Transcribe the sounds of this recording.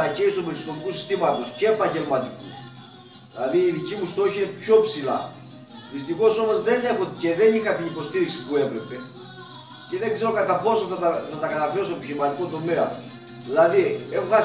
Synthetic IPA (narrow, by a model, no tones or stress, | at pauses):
ɐceist̪omelskomikusist̪imɐt̪o̞sce̞ːpɐɲɟe̞lmɐt̪iku | ðilɐðiːðicimust̪o̞çiinepço̞psilɐ̰ | ðist̪ixo̞so̞mo̞zðe̞ne̞xot̪ce̞ðe̞nikɐt̪inipo̞st̪iɾiksi̥pue̞vɾe̞pe̞ | ce̞ðeɡze̞ɾo̞kɐt̪ɐpo̞soθɐt̪ɐθɐt̪ɐkɐt̪ɐposoçimɐt̪ikot̪o̞meɐ | ðilɐðiexoɐ